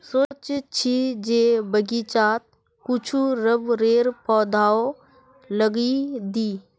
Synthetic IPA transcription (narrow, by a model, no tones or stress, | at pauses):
soːt͡ʃt͡ʃʰid͡ʒeːbəɡit͡ʃaːt̪̚ | kʊt͡ʃʰuɾəbɾeːɾpɔːd̪ʱaːo | ləɡid̪iː